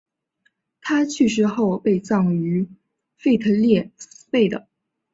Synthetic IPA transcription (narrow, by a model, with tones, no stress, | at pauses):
t̪ʰa˥t͡ɕʰy˥˩ʂ̬ɻ̩˥xo˥˧ʊpe˥˧ɪt͡sɑ˥˩ŋy˧˥ | fe˥˩ɪt̪ʰɤ˧˥ljɛ˥˩spe˥˩ɪd̪ə˩